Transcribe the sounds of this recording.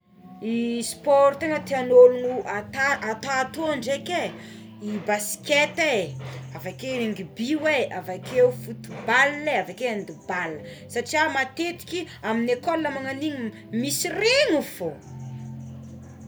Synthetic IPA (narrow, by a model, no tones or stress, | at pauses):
ispɔɾt̪eŋət̪eanolunuʔat̪aʔat̪aːt̪oaɳɖ͡ʐeke | ibasi̥ket̪eavakeeŋɡibiweavakʰewfut̪ubalneavakeand̪ibalə | saʈ͡ʂiamat̪et̪i̥kʲi | aminekɔlːamaŋaniɲi | misirenufo